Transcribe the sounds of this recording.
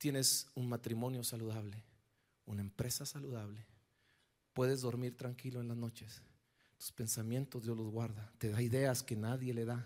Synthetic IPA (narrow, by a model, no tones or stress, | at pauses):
t̪je̞ne̞sunmat̪ɾimõ̞njo̞saluðaβle̞ | unae̞mpɾe̞sasaluðaβle̞ | pwe̞ðezðo̞ɾmiɾt̪ɾaŋkilo̞enlazno̞t͡ʃes | t̪u̥spe̞nsamje̞nt̪o̞zd̪jo̞zlozɣwaɾðat̪e̞ðaiðe̞aske̞naðje̞le̞ða